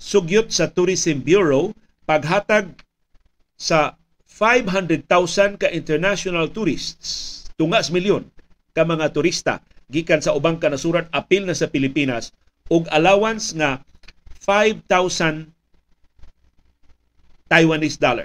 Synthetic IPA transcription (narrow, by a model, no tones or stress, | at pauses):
sʊɡjʊt̪̚sat̪ʊɾisɪmbjuɹo | paɡ̚ɦaːt̪aɡ̚ | sa | fajvɦand̪ɾɛd̪̚t̪awsankaʔɪ̃nt̪ɛɹnaʃʊnalt̪uɾɪst̪st̪ʊŋaʔsmiljʊn | kamaŋat̪ʊɾist̪a̰ | ɡiːkansaʔʊbaŋkɐnasuːɾat̪̚apilnasapɪlɪpinas | ʔʊɡalaːwansŋa | fajvt̪awsan | t̪ajwanɪsd̪ala̰